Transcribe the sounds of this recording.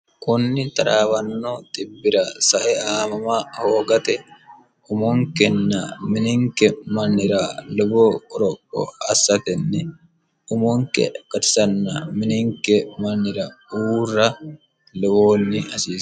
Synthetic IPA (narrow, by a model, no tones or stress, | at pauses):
kʊnːɪt̪ɐɾaːbɐnːot̪ʼɪbːɪɾasɐʔɛaːmɐmaːhoːɡɐt̪ɛ | ʊmɔŋkɛnːamɪnɪŋkɛmɐnːɪɾalʊboːɔɾɔkʼːɔ̰ɐsːɐt̪ɛnːɛ | ʊmoŋkɛ̰kɐt̪ɪ̥sɐnːɐmɪnɪŋkɛmɐnːɪɾauːrːɐ | lʊboːnːɪɐsiːs